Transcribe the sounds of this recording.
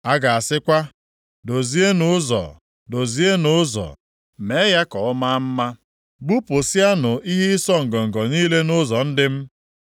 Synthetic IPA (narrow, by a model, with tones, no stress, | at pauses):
a˦ɡa˨a˨sɪ˦kʷa˦ | do˨zi˦e˦nʊ˨˦zɔ̰˨ | do˨zi˦e˦nʊ˨˦zɔ̰˨ | me˨˦ja˦kɔ˨ʊ˦ma˦m̩˦ma˦ | ɡ͡bu˦pʊ˨sja˦nʊ˨i˦ɦi˦sɔ˦ŋ̩˨ɡɔ˨ŋ̩˨ɡɔ˨niː˦le˦nʊ˦zɔ˨n̩˦dɪ˦m̩˦